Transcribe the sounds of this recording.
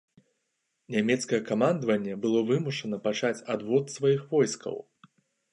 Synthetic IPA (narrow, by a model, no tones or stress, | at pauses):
nʲamʲɛt̪skɐjɛkamand̪vɐnʲːɛbɨlˠɔvɨmuʂɐnɐpat͡ʂat͡sʲad̪vɔt̪svajixvɔjskɐ̰w